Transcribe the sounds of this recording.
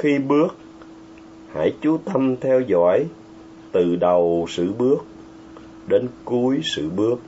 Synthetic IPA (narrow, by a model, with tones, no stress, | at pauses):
xi˧ɓɨ˦˥ək̚ | ha̰ː˧˥˩jt͡ɕu˨˦t̪ə˧mt̪ʰɛ˧wzɔ̰˧˥˨j | t̪ɨ˨˩ɗə˨˩wsɨ̰˧˨ɓɨ˦˥ək̚ | ɗe˨˦nku˨˦jsɨ̰˧˨ɓɨ˦˥ək̚